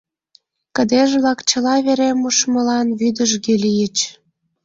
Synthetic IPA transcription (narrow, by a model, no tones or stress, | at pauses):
kə̆d̪eʒβlɑkt͡ɕə̆lɑβeɾemuʃmə̆lɑnβyd̪əʒɡelijət͡ɕ